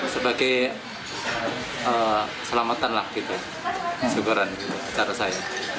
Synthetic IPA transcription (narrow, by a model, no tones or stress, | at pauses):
səbaɡaj | əːsəlamat̪anlahɡit̪u | əsukuɾanɡit̪uat͡ʃaɾasaja